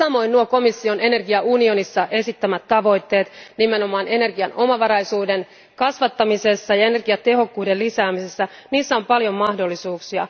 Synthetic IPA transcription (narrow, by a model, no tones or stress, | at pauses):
sɑmo̞innuoko̞misːio̞ne̞ne̞rɡiɑunio̞nisːɑʔe̞sit̪ːæmæt̪tːɑʋo̞jt̪ːe̞ːt̪nimeno̞mɑːne̞ne̞rɡiɑno̞mɑʋɑɾɑjsuːde̞n | kɑsʋɑt̪ːɑmise̞sːɑjɑe̞ne̞rɡ̥iɑt̪e̞ɦo̞kːuːdelisæːmisesːæniːsːæo̞mpɑljo̞mːɑhdo̞lːisuːksiɑ̰